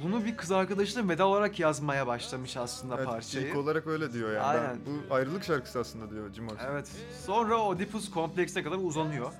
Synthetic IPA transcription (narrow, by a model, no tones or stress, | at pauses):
bunubikʰɯzaɾkad̪aʃɯlˠɯmve̞d̪aolˠaɾakjazmajabaʃlˠamɯʃaslˠɯnd̪aɛpʰaɾt͡ʃʰaiko̞lˠaɾak̚bø̞jlʲɛd̪ijo̞jaːa̰jnænbuajɾɯlˠɯkʃaɾkʰɯ̥sɯaslˠɯnd̪ad̪ijod͡ʒimoevɛt̪ | so̞nɾaod̪ipuskʰo̞mplʲɛcst̪ɛkʰad̪aɾuzanujo̞